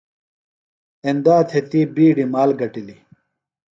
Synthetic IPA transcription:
end̪aːt̪ʰet̪ibiːɖimaːlɡɐʈili

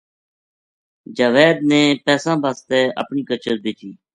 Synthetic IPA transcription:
d͡ʒəʋeːd̪̚nɛ̃ːpɛːsãːbʱaːst̪ɛːə̰pɳiːkət͡ʃəɾbeːt͡ʃiː

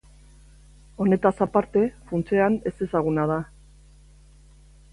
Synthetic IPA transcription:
o̞ne̞t̪asapaɾt̪e̞funt͡se̞ane̞se̞saɣ̞unað̞a

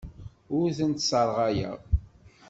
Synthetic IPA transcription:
ʊɾθənt̪səɾˤʁæjæ̰

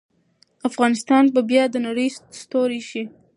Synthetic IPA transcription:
afɣɑnɪst̪ɑnbabjɑd̪ənaɽəjsst̪oɾeʃi

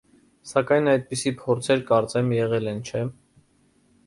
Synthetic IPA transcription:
sɑkɑjnɑjd̪̚pisipʰɔɾt͡sʰɛɾkɑɾt͡sɛmjɛʁɛlɛnt͡ʃʰɛ

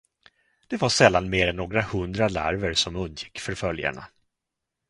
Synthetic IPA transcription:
d̪̥ɛvaʂɛlːanmeːɾɛnːoːɡɾahɵnd̪ɾala̰ɾvəɾʂɔmɵnd̪jɪkːfœɾfœlja̰ɳa̰

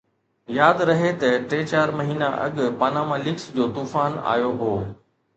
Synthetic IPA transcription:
jaːd̪ɾɐɦet̪ɐʈeːt͡ɕaːɾmɐɦiːna̰ʔɐ̰ɠpaːnaːmalɪksd͡ʑoːt̪uːfaːna̰ːjoɦoː

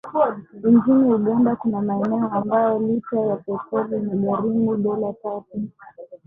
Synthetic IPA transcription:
iɲd͡ʒiniuɠandakunamaɛnɛɔambajɔlit͡ʃajapɛpɔlinaɡaɾimuɗɔlatatu

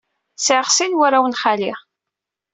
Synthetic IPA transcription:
sʕəʁsinwaɾawənχali

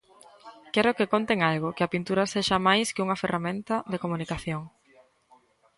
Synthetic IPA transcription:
kɛɾʊkekont̪eŋalɣʊkeɐpint̪uɾɐseʃɐmajskɪuŋɐferamẽnt̪ɐðekomũnikaθjoŋ

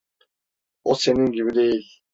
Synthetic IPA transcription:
ose̞niŋɡʲiβid̪ejilʲ

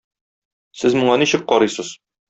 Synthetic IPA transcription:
sɘzmuɴɑniɕɘk̚qɒɾɤjsɤz̥

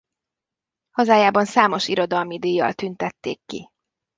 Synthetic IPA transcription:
hɒzaːjaːbɒnsaːmo̞ʃiɾo̞d̪ɒlmid̪ijːɒ̰lt̪ynt̪ɛt̪ːḛːkːi

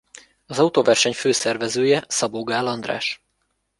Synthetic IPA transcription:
ɒzɒut̪ovɛrʃɛɲføːsɛrvɛzøːjɛsɒboɡaːlɒnd̪ra̰ːʃ

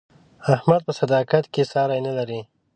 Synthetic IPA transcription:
ahmad̪̚pəsad̪ɑkat̪kesɑɾajnalaɾi

